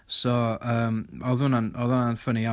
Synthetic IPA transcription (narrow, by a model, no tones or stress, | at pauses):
sɔəːmɔðʊnanɔðʊnanfənia